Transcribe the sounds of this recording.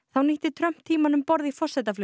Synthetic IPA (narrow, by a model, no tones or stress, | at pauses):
θawniht̪ɪt̪ʰɾœm̥t̪ʰiːmanʏmpɔɾðifɔr̥sɛt̪aflʏ